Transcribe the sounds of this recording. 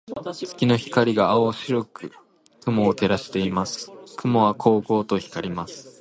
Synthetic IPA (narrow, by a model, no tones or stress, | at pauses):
t͡sɨ̥kʲino̞çi̥kaɾʲiɡaːoɕiɾokɯ̟ | kɯ̟mo̞ːt̪e̞ɾaɕi̥t̪e̞imasɨ̥kɯ̟mo̞βakʰo̞ːko̞ːt̪o̞çi̥kaɾʲimasɨ̥